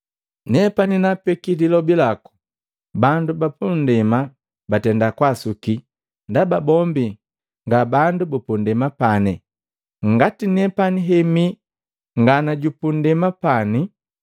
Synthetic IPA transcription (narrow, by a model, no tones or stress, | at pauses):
nɛpaninapɛkililɔbilaku̥ | bandubapundɛma | batɛndakwasuki | ndababɔmbi | ŋɡabandubupundɛmapanɛ | ŋɡatinɛpaniɦɛmi | ŋɡanaɟupundɛmapani